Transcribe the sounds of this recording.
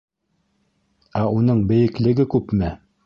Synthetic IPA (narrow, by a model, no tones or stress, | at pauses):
æunɤɴbɘ̆jɘ̆klɘ̆ɡɘkʉpmɘ